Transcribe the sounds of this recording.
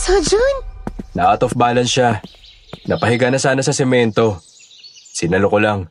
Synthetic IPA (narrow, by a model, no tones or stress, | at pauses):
sɐd͡ʒonnɐʔaːt̪ofbaːlɐnʃa | nɐpɐɦɪɡanɐsaːnɐsɐsɛmɛnt̪o̞ | sɪnɐlokolaŋ